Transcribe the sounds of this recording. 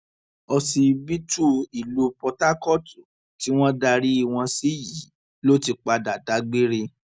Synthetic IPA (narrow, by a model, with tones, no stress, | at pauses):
ɔ˧si˧bi˦tu˦i˨lu˨˦pɔ˧ta˦kɔ˦˨tu˨ | ti˨˦w̃ɔ̃˦da˧ɾi˦i˧˨w̃ɔ̃˧si˦ji˨˦ | lo˦ti˧k͡pa˧da˨da˨˦ɡ͡bi˦ɾe˧